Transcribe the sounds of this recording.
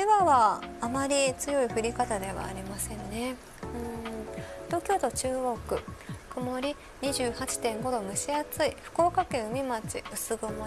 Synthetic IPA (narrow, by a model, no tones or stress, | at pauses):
eβaβaːmaɾʲit͡sɨjo̞iɸɯ̟ɾʲikat̪ad̪e̞βa̰ːɾʲimasẽ̞nne̞ | ɯ̟̃ɴ | t̪o̞ːkʲo̞ːt̪o̞t͡ɕɨːɡo̞kɯ̟komo̞ɾʲi | ɲ̟iʑɨːhat͡ɕi̥t̪ẽ̞ŋɡo̞d̪o̞mɯ̟ɕiat͡sɨiɸɯ̟̥ko̞ːkakẽ̞ɰ̃ɯ̟mʲimat͡ɕḭɯ̟sɨɡɯma